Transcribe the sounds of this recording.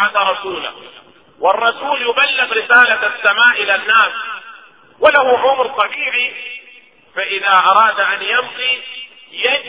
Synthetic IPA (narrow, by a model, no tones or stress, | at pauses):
ad̪aɾˤɑsuːla̰ | wɑrˤːɑsuːljʊbalːɪbɾɪsaːlaasːamaːʔɪlanːaːs | walahuʕʊmɾt̪ˤɑbiːʕi | faʔɪðaːʔɑɾˤɑːd̪ʔanjabqi | jad͡ʒ